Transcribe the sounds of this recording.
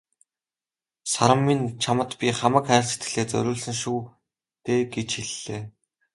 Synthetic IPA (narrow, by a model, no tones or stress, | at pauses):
saɾə̆mːint͡ɕʰamə̆t̪pʲiχamə̆kχæ̆ːɮse̥t̪ɡɘ̆ɮeːt͡sœ̰ɾʲʊːɮsɘ̆ŋʃuː | t̪eːɡet͡ɕxiɮːeː